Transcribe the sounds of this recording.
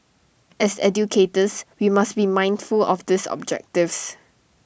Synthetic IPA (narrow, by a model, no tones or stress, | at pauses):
ɛsɛ̰djukʰetəswimasbimãj̃ndfulɔfd̪ɪsɔ̰b̚d͡ʒɛ̰k̚tɪfs